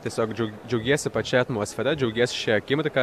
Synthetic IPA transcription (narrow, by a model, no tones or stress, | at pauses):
t̪ʲiɛsʲoːkd͡ʒd͡ʒʲɛʊɡʲiɛsʲɪpɐt͡ʃʲɛɐt̪muɔsʲfʲɛɾʲɛd͡ʒʲɛʊɡʲiɛsʲɪ̥ʃʲɛɐkʲɪmʲɾʲɪkɑ